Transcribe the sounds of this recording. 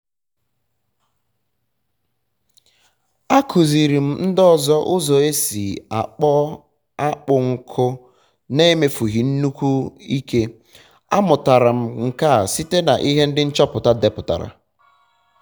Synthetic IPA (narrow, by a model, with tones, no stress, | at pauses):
a˦kʰu˨zi˨ɾi˨m̩˦n̩˦dɔ˦˨zɔ˦ʔʊ˦zɔ˨e˦si˨a˨k͡pɔ˦ | a˦k͡pʊ˨ŋ̩˨kʰʊ˦ | ne˦me˨fu˨ɦi˨n̩˦nu˦kʷu˦i˦ke˦ | a̰˦mʊ˨ta˨ɾa˨m̩˦ŋ̩˨ka˦˨si˦te˦na˨ʔi˦ɦe˦n̩˦dɪ˦n̩˦t͡ʃɔ˦pʊ˨ta˦de˨pʊ˨ta̰˨ɾa̰˨